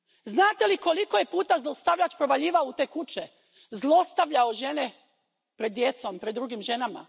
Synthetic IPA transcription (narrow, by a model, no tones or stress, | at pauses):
znaːt̪e̞liko̞liko̞je̞puːt̪azlˠost̪aʋʎat͡ʃpɾoʋaʎiːʋaout̪e̞ːkut͡ʃe | zlˠo̞st̪aʋʎaoʒe̞ne | pɾe̞d̪ːje̞t̪so̞mpɾed̪dːɾuːɡimʒe̞nama̰